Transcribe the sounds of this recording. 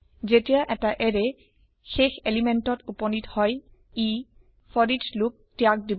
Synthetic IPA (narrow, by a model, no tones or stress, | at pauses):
zetijaʔɛtaʔɛɾe | xexelimentɔtupɔnithɔj | i | fʰɔɹid͡ʒluk̚tiak̚dib